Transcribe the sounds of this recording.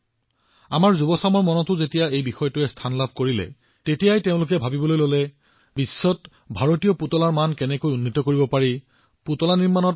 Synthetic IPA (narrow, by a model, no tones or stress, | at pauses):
a̰maɹzubɔsamɔɹmɔnɔtʊzetijaejbixɔjɔtʊɛstʰanlabʱkoɹilɛ̰ | tetijajtẽʊ̃lʊk̬ɛbʱabibɔlojlolɛ | bisːɔt | bʱaɹotijɔputɔlaɹmankɛnɛkojunːitɔkoɹibɔpaɹi | putɔlaniɹmanɔt̚